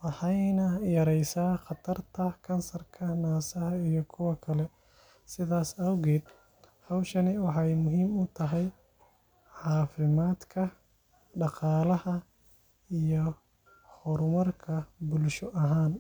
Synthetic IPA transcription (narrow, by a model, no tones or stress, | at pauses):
wɑħɑjnɐjɐɾɛjsaːχɑt̪ʰɐrt̪ʰɐkʰɐnsɐrkʰɐnaːsɐɦɐijɔkʰʊwɐkʰɐlɛ | sɪðaːsɐwɣɛːd̪ | hɐwʃɐnɪwɑħɑjmʊɦiːmʊt̪ʰɐɦɛj | ʕɑːfɪmaːd̪kʰɐ | ɖɑqɑːlɐhɐ | ijɔ | hɔɾʊmɐrkʰɐbʊlʃɔʔɐɦaːn